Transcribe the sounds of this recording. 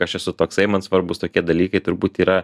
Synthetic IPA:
ɐʃɛsʊt̪oːksɐɪmɐnsʋɐɾbʊst̪oːkʲiɛd̪ɐlʲiːkɐɪt̪ʊɾbuːtt̪iːɾɐ

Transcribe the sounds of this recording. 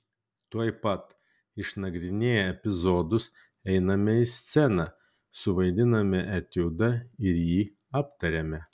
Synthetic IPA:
t̪uɔjpɐt̪ | ɪʃnɐɡɾʲɪnʲeːjɛɛpʲɪzoːd̪ʊs | ɛɪnɐmʲɛɪsʲt̪sʲɛnɐ | sʊʋɐɪd̪ʲɪnɐmʲɛʔɛt̪ʲʊd̪ɐɪɾjiː | ɑːpt̪ɐɾʲemʲɛ

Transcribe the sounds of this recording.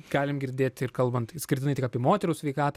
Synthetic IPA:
ɡ̥ɑːlʲɪmɡʲɪɾʲd̪ʲeːt̪ʲɪrkɐlˠbɐnt̪sʲkʲɪrʲtʲɪnɐɪt̪ʲɪkɐːpʲiɛmoːt̪ʲɛɾuːsʲʋʲɛɪkɑːt̪ː

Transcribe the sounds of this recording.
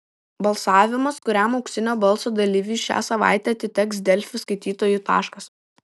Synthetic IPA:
bɐlˠsɑːʋʲɪmɐskʊɾʲæˑmɐʊkʲsʲɪnʲoːbɐlˠsoːd̪ɐlʲiʋʲiːʃʲæ̰ːsɐʋɑ̰ˑɪt̪ʲɛɐt̪ʲɪt̪ʲɛksd̪ʲɛlʲfʲʊskɐɪt̪ʲiːt̪oːjut̪ɑ̰ːʃkɐs

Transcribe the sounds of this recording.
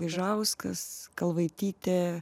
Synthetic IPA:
ʋʲiʒɐʊskɐskɐlˠʋɐɪt̪ʲiːt̪ʲɛ

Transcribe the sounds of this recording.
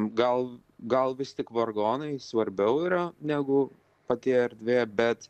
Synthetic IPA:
ɡɐlˠ | ɡɐlˠʋʲɪst̪ʲɪkʋorɡoːnɐɪsʋɐɾʲbʲɛʊiːɾɐnʲæːɡʊ | pɐt̪ʲeːɛɾd̪ʲʋʲeːbʲɛt̪

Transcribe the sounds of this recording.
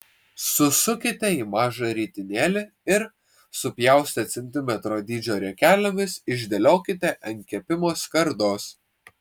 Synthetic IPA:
sʊsʊkʲɪt̪ʲɛimɑːʒɐɾʲiːt̪ʲɪnʲeːlʲɪ | ɪɾ | sʊpʲjæˑʊsʲt̪ʲɐt̪sʲɛnʲt̪ʲɪmʲɛt̪ɾoːd̪ʲiːd͡ʒʲoːɾʲɛkʲæːlʲomʲɪsɪʒʲd̪ʲɛlʲoːkʲɪt̪ʲɛʔɐŋʲkʲɛpʲɪmoːskɐɾd̪oːs

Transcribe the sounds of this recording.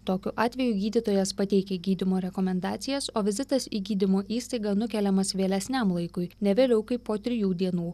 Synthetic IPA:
t̪oːkʲʊʔɑːt̪ʲʋʲɛjuːɡʲiːd̪ʲɪt̪oːjɛspɐt̪ʲɛɪkʲɛɡʲiːd̪ʲɪmoːɾʲɛkomʲɛnd̪ɑːt̪sʲɪjɛsoːʋʲɪzʲɪt̪ɐsiːɡʲiːd̪ʲɪmoːʔiːst̪ɐɪɡɐnʊkʲɛlʲɛmɐsʋʲeːlʲɛsʲnʲɛmlˠɐɪkʊɪnʲɛʋʲeːlʲɛʊkɐɪpːoːt̪ʲɾʲɪjuːd̪ʲiɛnuː

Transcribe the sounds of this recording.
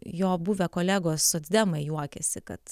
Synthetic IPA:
joːbuʋʲɛkoːlʲæːɡoːssʊzʲd̪ʲɛmɐɪjuɔkʲɛsʲɪkɐ̰t̪

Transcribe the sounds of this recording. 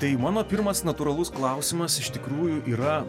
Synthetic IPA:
t̪ɐɪmɑːnoːpʲɪɾmɐsnɐt̪uːɾɐlˠʊsklˠɑˑʊsʲɪmɐsɪʃt̪ʲɪkɾuːjʊʔiːɾɐ

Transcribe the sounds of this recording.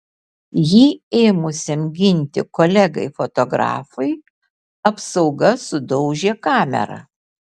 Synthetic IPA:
jiːeːmʊsʲɪmʲɡʲɪnʲt̪ʲɪ̰kolʲɛɡɐɪfɔt̪ɔɡɾɑ̰ːfɐɪ | ɐpsɒʊɡɐsʊd̪ɔʊʒʲeːkɑːmʲɛ̰ɾɐ̰

